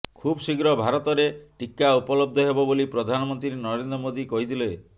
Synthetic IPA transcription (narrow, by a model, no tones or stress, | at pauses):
kʰubɔsiɡɾɔbʱaɾɔt̪ɔɾeʈikaupɔlɔb̚d̪ʱɔɦebɔbolipɾɔd̪ʱanɔmɔnt̪ɾiɾenɔɾend̪ɾɔmod̪ikɔɦit̪ʰile